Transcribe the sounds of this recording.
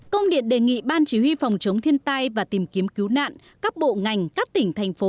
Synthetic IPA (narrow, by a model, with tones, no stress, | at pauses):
kə˧wŋ͡mɗḭ˧˨ənɗe˨˩ŋḭ˧˨ɓaː˧nt͡ɕi˨˦hwi˧fɔ˨˩wŋ͡mt͡ɕə˨˦wŋ͡mt̪ʰi˧ənt̪a˧jvaː˨˩t̪i˨˩mki˨˦əmki˨˦wna̰ː˧˨n | kaː˦˥k̚ɓo̰˧˨ŋa˨˩jŋ̟kaː˦˥k̚t̪ï˧˩ŋ̟t̪ʰa˨˩jŋ̟fo˨˦